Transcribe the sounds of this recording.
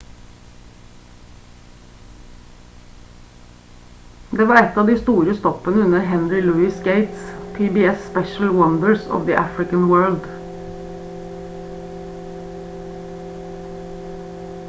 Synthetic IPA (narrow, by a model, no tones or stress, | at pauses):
d̪eːʋɑːɛt̪ɑːd̪iːst̪uːɾəst̪ɔpənəʉnəhɛnɹɪlʉːɪsɡeɪt̪spʰiːbiːɛspɛʃl̩wʌnd̪əɹsɔ̰ʋd̪iʔæfɹɪkənwɜːld̪